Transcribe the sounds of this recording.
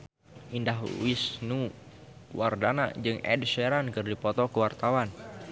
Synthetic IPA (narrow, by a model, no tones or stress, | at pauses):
indaɦwisnu | wardana̰d͡ʒɨŋɛ̰dʃɛɾankɨrdipɔt̪ɔkəwart̪awan